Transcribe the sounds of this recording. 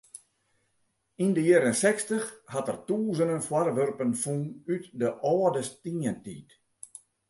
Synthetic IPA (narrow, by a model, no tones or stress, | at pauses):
indəjeɾənsɛkstəxhatərtuːzənənfwarʋørpənfunytdəʔɔːdəstiəntiːt